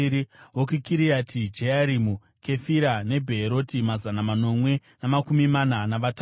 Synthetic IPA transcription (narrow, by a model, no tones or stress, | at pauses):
ɾiwokikiɾiatʰid͡ʒeaɾimu | ke̞fiɾane̞bʱeːɾo̞timazanamano̞mwe̞namakumimananaʋata